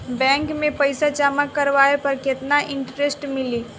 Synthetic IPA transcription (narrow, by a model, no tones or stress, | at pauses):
bɛ̃ːŋkmẽpəɪsat͡ʃaməkːɐɾʋaːepɐɾkɪt̪naʔɪ̃ɳʈɾesʈmɪliː